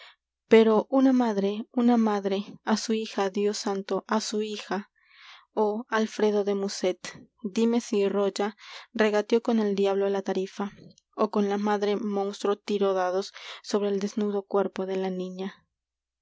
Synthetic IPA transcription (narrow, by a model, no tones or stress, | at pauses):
pe̞ɾoʔunamaðɾeunamaðɾeasuixaðjosant̪oʔasuixa | oalfɾe̞ðo̞ðe̞muset̪d̪imesirod͡ʒareɣat̪jo̞kone̞ld̪jaβlolat̪aɾifa | okonlamaðɾe̞monst̪ɾot̪iɾoðaðosso̞β̞ɾe̞ːld̪eznuðo̞kweɾpoðe̞lanĩɲa